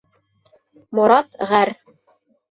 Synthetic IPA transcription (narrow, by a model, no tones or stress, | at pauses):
moɾɑt̪ʁæɾ